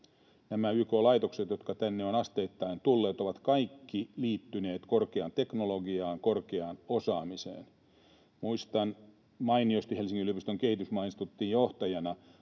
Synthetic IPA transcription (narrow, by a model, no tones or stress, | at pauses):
næmæyːkolɑjt̪o̞kset̪jo̞t̪kɑt̪ænːeo̞nɑst̪e̞ːt̪ːɑint̪ulːe̞ːt̪o̞ʋɑt̪kɑjkːiliːt̪ːyne̞ːt̪ko̞rkeɑnt̪e̞kno̞loɡiɑːŋko̞rkeɑːno̞sɑːmisḛːn | muist̪ɑn | mɑiniost̪ihe̞lsiŋːilyøpist̪øŋk̟e̞hit̪ysmɑinist̪ut̪ːiːjjo̞ht̪ɑjɑnɑ